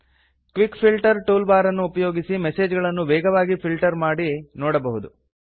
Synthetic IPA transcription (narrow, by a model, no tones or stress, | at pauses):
kʋikpʰilʈɐɾʈuːlbaːɾɐnːuːpɐjoːɡisimeseːd͡ʒɡɐɭɐnːuʋɛːɡʱɐʋaːɡipʰilʈɐɾmaːɽinɔːɽɐbɐɦud̪u